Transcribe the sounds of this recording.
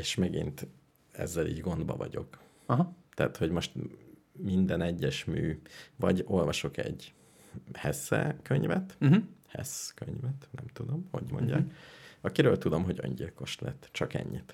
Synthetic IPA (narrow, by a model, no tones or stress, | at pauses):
eːʃmɛɡḭnt̪ | ɛ̰zːɛlḭːɟɡo̞nd̪bɒ̰vɒɟo̞̰k | ɦt̪ɛːt̪ho̞ɟmo̞ʃt̪mind̪ɛnɛɟːɛʃmyːvɒɟo̞lvɒʃo̞kɛ̰ɟ | hɛsɛ̰køɲvɛt̪hɛskøɲvɛt̪nɛmt̪ud̪o̞mho̞ɟmo̞̰ɲɟaːkɒkiɾøːlt̪ud̪o̞mɦo̞ɟø̰ɲɟilko̞ʃlɛt̪ːt͡ʃɒkɛ̰ɲːit̪